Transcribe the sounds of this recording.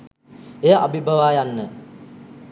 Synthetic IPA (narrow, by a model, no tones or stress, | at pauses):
ejəʔabibʱaʋaːjanːə